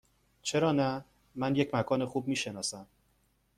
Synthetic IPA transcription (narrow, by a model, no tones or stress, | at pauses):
t͡ʃʰe̞ɾɒːnæ | mænje̞cmækʰɒːne̞xuːb̚miːʃe̞nɒːsæm